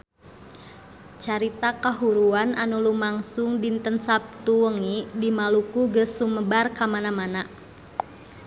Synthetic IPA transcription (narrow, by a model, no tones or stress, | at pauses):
t͡ʃaɾit̪akaɦuɾuananulumaŋsuŋdint̪ənsap̚t̪uəŋidimalukuɡəsːuməbarkamanamana